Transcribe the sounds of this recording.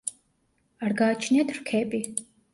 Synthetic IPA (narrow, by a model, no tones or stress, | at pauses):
arɡaːt͡ʃʰnɛt̪ʰrkʰɛːpʼi